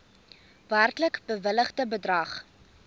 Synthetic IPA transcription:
værtləkbəvələχdəbədrɐχ

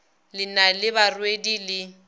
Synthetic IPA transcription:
lɪnalɪβarwedilɪ

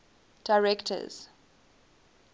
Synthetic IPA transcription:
d̥aɹɛktʰə̰z̥

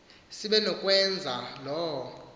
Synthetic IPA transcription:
siɓɛnɔkʼwɛnd͡zʱalɔɔ

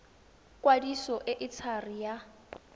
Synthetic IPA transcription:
kʼwadisɔʔɪʔɪt͡sʰarija

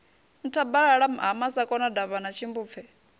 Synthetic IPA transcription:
n̩tʰabaɺaɺam̩ɦamasakʼɔnadaβanat͡ʃʰimbuːp̪fʰɛ

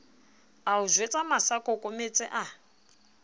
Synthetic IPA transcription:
auzʷwet͡sʼamasakʼɔkʼomet͡sʼɛ̰ʔa

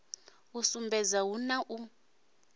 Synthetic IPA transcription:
usumbʱɛzawunaʔu

